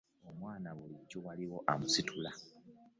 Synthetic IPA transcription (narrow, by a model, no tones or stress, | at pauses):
omwaːnaɣulicːuɣaliɣo̞ʔamusitʰula